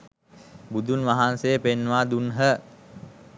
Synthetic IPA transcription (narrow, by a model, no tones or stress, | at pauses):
bud̪unʋaɦansejəpenːʋaːd̪unɦə